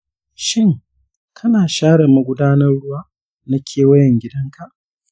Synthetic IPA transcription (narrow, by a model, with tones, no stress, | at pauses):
ʃɪ˦ŋ | kʰɐ˦naː˨ʃaː˦ɽɐ˨ma˨ɡʷʊ˦daː˦nɐ˦rɽʊ˦waː˦ | na˦kʲʰeː˨wɐ˦jɛ˨ŋɡʲɪ˦dɐ˦ŋkʰa˨ʔ